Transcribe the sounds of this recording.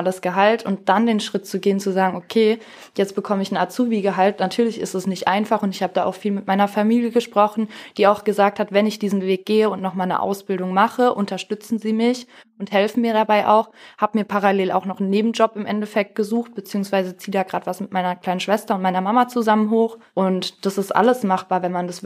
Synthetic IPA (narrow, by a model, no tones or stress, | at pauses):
ʔaləsɡ̥əɦaltʰʊnt̚d̥andeːnʃʁ̥ɪt̚t͡suɡeːənt͡suzaːɡŋ̩ʔokʰeː | jɛt͡stb̥əkʰɔməɪçn̩aɐtt͡suːviːɡəɦaltnatʰyːɐlɪçɪ̰stɛsnɪçtʔaɪnfaχʊntɪçhaːbədaːʔaʊxfiːlmɪtmaɪnɐfamiːljəɡəʃpʁ̥ɔχn̩d̥iːaʊxɡ̥əzaːk̚thatv̥ɛnɪçd̥iːzn̩veːk̚ɡ̥eːəʊntnɔχmaːlnə̰ʔa̰ʊsb̥ɪldʊŋmaχəʔʊntɐʃtʏt͡sn̩ziːmɪç | ʊnthɛlfn̩miːɐɾabaɪʔa̰ʊxhaːbəmiːɐpʰaʁaleːla̰ʊxnɔχn̩ːeːbm̩d͡ʒɔpɪmʔɛntɛfɛk̚t̚ɡ̥əzuːxt̚b̥ət͡siːʊŋsv̥aɪzət͡siːdaːɡʁaːdv̥asmɪt̚maɪnɐkʰl̥aɪnənʃv̥ɛstɐʊnt̚maɪnɐmamat͡suzamənɦoːxʔʊntd̥asɪstʔa̰ləsmaχb̥aːɐvɛnmandas